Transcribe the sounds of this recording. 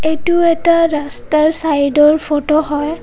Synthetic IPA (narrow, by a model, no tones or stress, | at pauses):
ejtuɛtaɹastaɹsajdɔɹpʰotɔɦɔj